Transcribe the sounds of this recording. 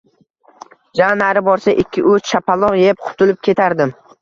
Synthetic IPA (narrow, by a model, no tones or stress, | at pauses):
d͡ʒanaɾɪbɒɾsaʔɪkʲːɪʔɵt͡ʃ̪ʃapʰalˠɒʁjep̚qʰʊ̥t̪ʰʊlɪp̚kʲʰe̞t̪ʰaɾd̪ɪm